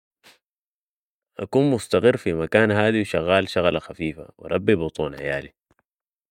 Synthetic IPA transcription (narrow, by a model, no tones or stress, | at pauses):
ʔakuːnmʊst̪aɣɪrːfimakaːnɦaːd̪iwʃaɣːaːlʃaɣlaxafiːfa̰wḭɾˤɑbːibʊt̪ˤuːnħa̰ja̰ːli